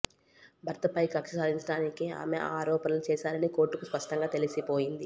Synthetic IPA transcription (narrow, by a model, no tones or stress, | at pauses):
bʱɐɾt̪ɐpɐjkɐkʂɐsaːd̪ʱiɲt͡ʃɐɽaːnikia̰ːmḛʔa̰ːɾɔːpɐnɐlut͡ʃɛːʃaːlɐniko̞ːɾʈːukuspɐʂʈɐŋɡaːt̪e̞lisipo̞ːjind̪i